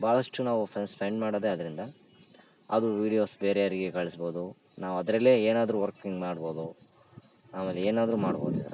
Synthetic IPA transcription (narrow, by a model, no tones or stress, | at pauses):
baːɭɐʂʈunaːʋupʰɐnspʰeɳɖmaːɽod̪eɐd̪ɐɾind̪ɐ | ɐd̪uʋiːɽijo̞ːsbeːɾejaːɾiɡekɐɭisbo̞ːd̪u | naːʋuɐd̪ɾɐlːeeːnaːd̪ɐɾuʋɐɾkiŋɡmaːɽbo̞ːd̪u | aːme̞ːleeːnaːd̪ɐɾuma̰ːɽboːd̪ḭd̪ɐɾɐ